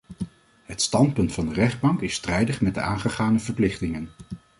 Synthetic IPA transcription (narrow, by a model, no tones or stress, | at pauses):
ɦətstɑntpɵntfɑndərɛχd̚bɑŋkɪstrɛjdəχmɛdəaːnχəχaːnəvəɹplɪχtɪŋən